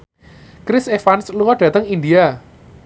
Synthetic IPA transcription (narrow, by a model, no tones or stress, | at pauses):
kɾɪsefansluwɔɖ̥ä̤t̪əŋind̪ia